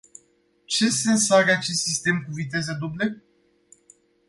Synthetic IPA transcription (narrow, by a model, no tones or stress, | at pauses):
t͡ʃe̞sensaɡeat͡ʃe̞st̪sist̪e̞mkuvit̪e̞zəd̪uble